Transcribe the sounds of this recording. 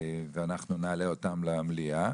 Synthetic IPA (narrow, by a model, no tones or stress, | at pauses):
veanaχnunealeo̞t̪amlemlia